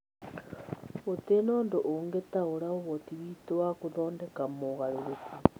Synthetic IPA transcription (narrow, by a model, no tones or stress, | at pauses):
otenoːndoʔoŋɡetaoɾaoβotiβiːtowakoðɔːndɛkamoɣaɾoɾeki